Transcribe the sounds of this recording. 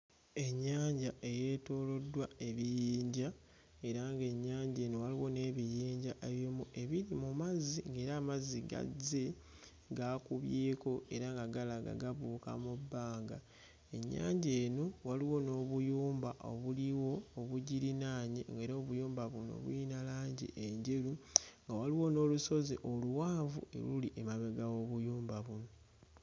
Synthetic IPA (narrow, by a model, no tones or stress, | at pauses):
e̞ɲːaːɲɟaʔe̞je̞ːto̞ːlo̞dwae̞βijiːɲɟa | e̞ɾaŋɡe̞ɲːaːɲɟe̞ːno̞waliwo̞ne̞ːβijiːɲɟaʔeβjomuʔe̞βiɾimumaziŋɡe̞ːɾaːmaziɡa̰ze | ɡaːkuβje̞ːko̞e̞ɾaŋɡaɡalaɡa̰ɡaβuːka̰mubːaːŋɡa | e̞ɲːa̰ːɲɟe̞ːno̞waliwo̞no̞ːβujuːmbaʔo̰βuliwo̞ːβuɟiɾinaːɲeŋɡe̞ːɾo̞ːβujuːmbaβuno̞̰βuinalaːɲɟḛʔeɲɟe̞ɾuŋɡawaliwo̞no̞ːluso̞ziʔoluwaːɱvṵe̞̰luliʔemaβeɡawo̞βujuːmbaβuno̞